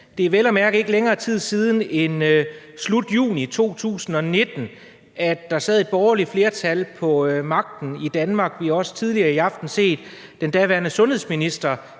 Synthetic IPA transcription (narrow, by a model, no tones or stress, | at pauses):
d̥e̝æʋel̰ɒmæɐɡ̥əe̝ɡ̥əleŋɐːt͡sʰið̞̰ˠsiːð̞ˠn̩e̝n | slud̥jṵːnit͡sʰo̝̰ːt͡sʰṵːsn̩ɒ̽ne̝d̥n̩ | æd̥ːɑ̈sɛð̞ˠe̝d̥̚b̥ɒːɐli̥fle̝ːɐt͡sʰælpʰɒ̽mɑ̈ɡ̥̚d̥n̩id̥ænmɑ̈ɡ̥ʋihɑ̈ɒ̽sə̥t͡sʰið̞ˠliɐːiɑ̈fd̥n̩se̝̰ːd̥̚ː | end̥æʋæɐnəsɔ̽nhesminisd̥ɐ